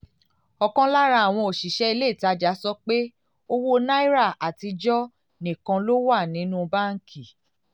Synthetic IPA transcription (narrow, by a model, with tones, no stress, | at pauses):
ɔ˧kɔ̃˦la˦ɾa˧˦a˨w̃ɔ̃˧o˨ʃi˨ʃɛ˦i˧le˦˨ta˨˦d͡ʒa˨˦sɔ˦k͡pe˦ | o˦wo˦na˦i˦ɾa˦˨a˨ti˧d͡ʒɔ˦ | nĩ˨kã˧lo˦wa˦˨nĩ˨˦nũ˦ba˦ŋ̩˦kʰi˦˨